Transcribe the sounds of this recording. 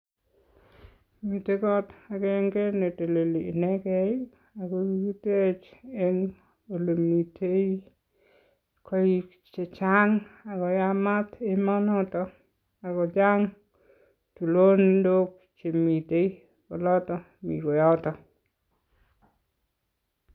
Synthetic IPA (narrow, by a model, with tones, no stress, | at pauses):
mi˨te˦kɔ˦ta˨kɛ˦ŋke˦ne˨te˨le˨liː˨nɛ˦kɛ˦i˦ | a˨ko˦ɡi˦ki˦te˦t͡ʃe˦ŋ | o˨lo˨mi˨te˦i˦ | kʰɔ˦i˦ | t͡ʃe˨t͡ʃa˦ŋa˨kɔ˨ja˦ma˦t̪e˦mɔ˦nɔ˦tɔ˨ | a˨kɔ˨d͡ʒa˦ŋ | tu˨lo˦ni˦ndo˦k̚ | t͡ʃe˨mi˨te˦i˦ | ɔ˨lɔ˦tɔ˦ | mḭ˨ko˨jɔ˦tɔ˨